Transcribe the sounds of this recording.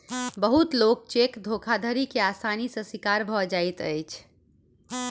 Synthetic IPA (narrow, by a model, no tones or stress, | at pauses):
bəɦut̪lok̚t͡ʃekd̪ʱokʰad̪ʱəɾikeasanisə̃sikaɾbʱɔd͡ʒajt̪əjt͡ʃʰ